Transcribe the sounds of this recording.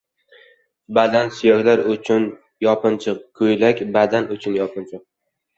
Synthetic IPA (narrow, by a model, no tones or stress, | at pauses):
bad̪ansʊjɒɡʲlaɾʊt͡ʃʰʊn | jɒpɨnt͡ʃʰɨq̚kʰʊjlakʲbad̪anʊt͡ʃʰʊnjɒpʰɨnt͡ʃʰɨq̚